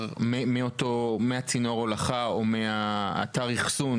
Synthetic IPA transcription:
memiot̪omeat͡sino̞ʁolaχaomea̰ːtaʁiχsun

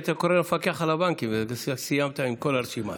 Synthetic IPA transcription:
t̪akoɾenfakeaχalabaŋkimvesijamt̪aimko̞laɾʃima̰

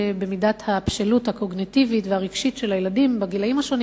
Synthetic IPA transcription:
bemidathapʃeluthako̞ɡnitivitvehaʁiɡʃitʃelajeladimbaɡilaimhaʃo̞n

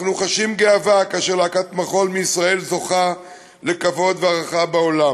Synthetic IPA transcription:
χnuχaʃimɡeavakaːʃeʁleakat̪maχo̞lmiisʁae̞lzo̞χa | le̞kavo̞d̪veaʁaχabao̞la

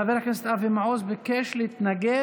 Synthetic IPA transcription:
avɛɾakɛnst̪avɪmaoːsbɪkɛʃlɪt̪naɡɛ

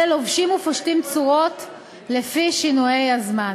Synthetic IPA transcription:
elovʃimufoʃtimt͡suʁot | lefiʃinuje̞jazma

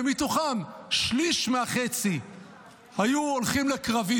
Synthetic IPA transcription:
emit̪oχanʃliʃmeaχe̞t͡si | hajuolχimlekʁavi

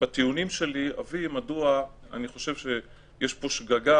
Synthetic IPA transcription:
bat̪iunimʃe̞lia̰vimadua | a̰niχo̞ʃe̞vʃe | jeʃpo̞ʃɡaɡa

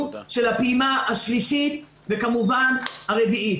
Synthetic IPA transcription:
ʃe̞lhapimahaʃliʃit̪ | vekamuvanhaʁevii

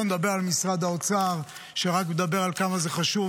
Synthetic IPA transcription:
nd̪abeʁalmisʁad̪aot͡saʁ | ʃeʁakmed̪abe̞ʁalkamazeχaʃu

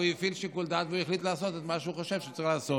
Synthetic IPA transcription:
uifilʃikuld̪at̪vuɛχlit̪lasot̪ɛt̪maʃuχaʃevʃet͡sʁiχlaːso

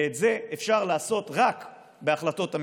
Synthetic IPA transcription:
etze̞ʔefʃaʁlaːso̞t̪ʁak | beaχlato̞tam

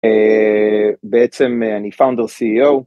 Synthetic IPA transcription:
e | beet͡semeanifawnd̪əsiiow

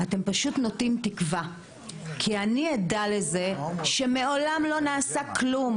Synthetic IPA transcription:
ate̞mpaʃutno̞timtikva | kʰianijedale̞ze̞ʃe̞meo̞lamlo̞naːsaklum

